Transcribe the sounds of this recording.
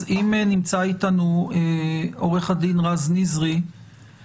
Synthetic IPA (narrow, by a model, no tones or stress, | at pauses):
imnimt͡sait̪anueo̞ʁeχad̪inʁaznizʁi